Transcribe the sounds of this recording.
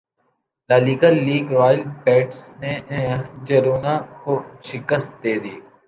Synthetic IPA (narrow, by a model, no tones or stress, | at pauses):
laːliːkaːiːɡɾɔːjəlpɛːʈsneɦd͡ʒɐɾuːnãkoʃɪkəst̪̚d̪eːd̪iː